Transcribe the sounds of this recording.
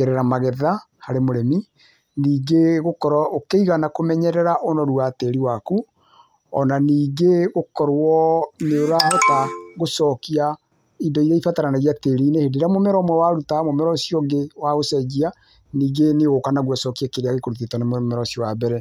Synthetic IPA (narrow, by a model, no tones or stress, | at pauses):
ɛɾɛɾamaɣɛðahaɾemoɾɛmi | niːɡeɣokɔɾɔokeiɣanakomɛɲɛɾɛɾaʔonɔɾuateɾiwaku | ɔnaniːɡeɣokɔɾwɔneoɾahɔtaɣosɔkia | idɔiɾaifataɾanaɣiateɾiːnehedeɾamomɛɾɔmwɛwaɾutamomɛɾɔsiɔɡewaɣosɛd͡ʒia | niːɡeneɣokanaɣwasɔkiakeɾeaɣekoɾuθetɔnemmɛɾɔsiɔwabɛɾɛ